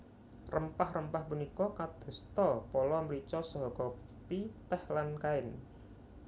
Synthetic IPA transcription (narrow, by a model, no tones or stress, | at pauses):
rəmpahrəmpahpunikɔkad̪̥ɔ̤st̪ɔpɔlɔməɾit͡ʃɔsɔɦɔkɔ | pit̪ɛhlankaɪn